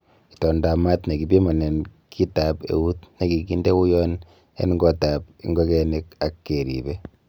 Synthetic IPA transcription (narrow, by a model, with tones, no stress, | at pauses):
ki̥tɔ˨nda˨ma˦tne˨ki˨pi˦mɔ˨nɛ˨nkʰi˦tapḛ˨wu˦tne˨ki˨ki˦nde˦wu˦jɔ˦n | ḛ˦nŋɡɔ˦ta˨p̚ḭŋɡɔ˦kɛ˦ni˦k̚akːeɾḭbe